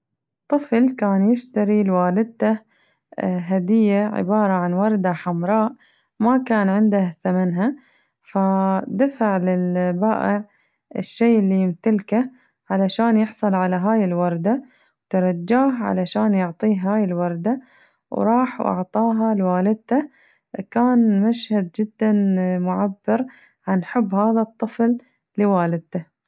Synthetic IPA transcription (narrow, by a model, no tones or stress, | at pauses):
t̪ˤːɨflkaːnjɪʃt̪aɾilwaːlɪd̪̚t̪a | ɦad̪ɪjːaʕɪ̰bɑːɾˤɑʕanwɑɾˤd̪aħamɾˤɑːʔ | makaːnʕɪnd̪ahθamanɦa | fad̪afaʕlɪlbaːʔɪʕ | ɪ̰ʃːeːɪlːijɪmt̪alka | ʕalaʃaːnjɪħsˤɑlʕalaɦaːjɪlwɑɾˤd̪a | wt̪ɑɾˤɑd͡ʒːaːɦʕa̰laʃaːnjʊʕt̪ˤiːɦhaːjɪlwɑɾˤd̪a | wɾˤɑːħwʔɑ̰ʕt̪ˤɑːɦalwaːlɪd̪̚t̪a | kaːnmaʃhad̪̚d͡ʒɪd̪ːanmʊʕabːɪɾ | ʕanħʊbːhaːðat̪ˤːɨfl | lɪwaːlɪd̪̚t̪a